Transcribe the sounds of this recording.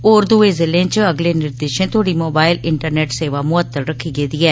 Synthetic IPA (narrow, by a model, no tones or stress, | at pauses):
oːɾd̪ueːzɪlẽːt͡ʃəɡleːnɪɾd̪eːʃẽːt̪ʰʊoaːɽiːmoːbaːɪlɪɳʈəɾneːʈseːʋaːmʊət̪ːəɾɾəkʰːiːɡeːd̪iːɛː